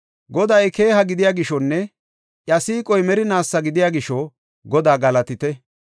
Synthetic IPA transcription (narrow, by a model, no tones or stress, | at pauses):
ɡɔd̪ɐjke̞ːɦɐɡɪd̪ɪjaːɡɪʃɔnːɛ | ʔjɐsiːkʼɔjmɛɾɪnaːsːɐɡɪd̪ɪjaːɡɪʃɔ | ɡɔd̪aːɡɐlɐt̪ɪt̪ɛ